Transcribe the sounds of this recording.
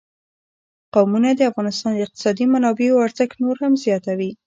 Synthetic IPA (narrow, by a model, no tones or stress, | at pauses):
qawmunad̪əafɣɑnɪst̪ɑnd̪əɪq̚t̪ɪ̥sɑd̪imanɑbeoaɾzəɡnoɾhamzjɑt̪awi